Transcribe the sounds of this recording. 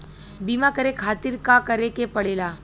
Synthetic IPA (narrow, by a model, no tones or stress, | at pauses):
biːmakəɾekʰaːt̪ɪɾkakəɾekepɐɽeːlaː